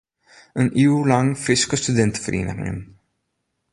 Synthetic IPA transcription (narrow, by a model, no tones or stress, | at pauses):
ənʔiːulɐŋfɾɪskɔst̪ʊd̪ɛnt̪fɾʔḭːnɐ̰m̰ɪ̰n